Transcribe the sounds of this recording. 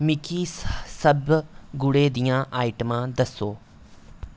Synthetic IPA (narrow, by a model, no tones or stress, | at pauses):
mɪkʰiːsəbɡʊɽeːd̪ijãːʔaːɪʈəmãːd̪əsoː